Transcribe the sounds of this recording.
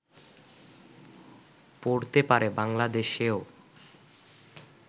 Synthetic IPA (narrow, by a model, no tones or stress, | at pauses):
poɾt̪epaɾebaŋlad̪eʃeo